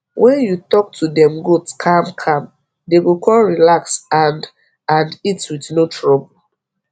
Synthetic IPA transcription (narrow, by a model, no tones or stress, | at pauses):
wʔɛ̃njutɔk̚tudɛ̃mɡudskʰãmkʰãm | deɡokʰɔlɹilaksand | ãnditwitnotʰɹɔbol